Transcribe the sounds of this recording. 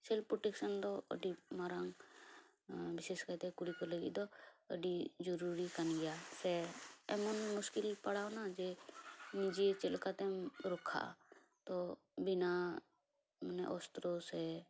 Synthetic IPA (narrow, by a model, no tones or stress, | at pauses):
sɛlpɾoʈeksənd̪ɔə̰ɖimaɾaŋ | biseskajt̪ɛkuɽikɔləɡḭd̪ɔə̰ɖid͡ʒɔɾuɾikanɡɛjasɛɛmɔnmʊskilpəɽawnad͡ʒɛnid͡ʒit͡ʃɛlkat̪ɛɾɔkʰa̰ | t̪ɔ | bina | mənɛ̰ʔɔst̪ɾosɛ